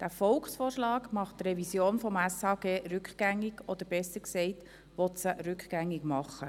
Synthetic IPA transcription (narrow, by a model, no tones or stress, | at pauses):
d̥æfɔlksfoːɾʃlɑːɡmɑχttrɛvisjoːnfɔmæsɑːɡeːɾʏkχɡ̥æŋːɪɡɔd̪əɾb̥ɛsəksɛɪt | ʋɔtsəɾʏkχɡ̥æŋːɪɡmɑχːə